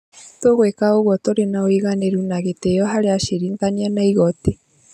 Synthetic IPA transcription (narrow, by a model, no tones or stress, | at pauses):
toɣwekaoɣwɔtoɾenaoiɣaneɾunaɣetejɔɦaɾeaʃiɾiːŋɡanianaiɣɔte